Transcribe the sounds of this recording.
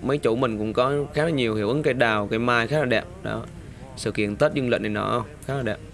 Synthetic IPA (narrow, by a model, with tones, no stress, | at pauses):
mə˨˦jt͡ɕu˧˩mï˨˩ŋ̟kʊ̰˧˥ŋ͡mkɔ˨˦xaː˨˦˥nɔ˨˦ɲi˨˩əwhi˧˩əwʔɨ˨˦ŋkaː˨˦ɗaː˨˩wkaː˨˦jmaː˧jxaː˦˥laː˨˩ɛ˨˩p̚ɗɔ̰˨˦ | sɨ̰˧˨kḭ˧˨ənt̪əː˦˥t̚zɨ˧ŋlə̰˧˨ŋnə˨˩nɔ̰˧˦xə˧wŋ͡mxaː˦˥klaː˨˩ɗɛ˨˩p̚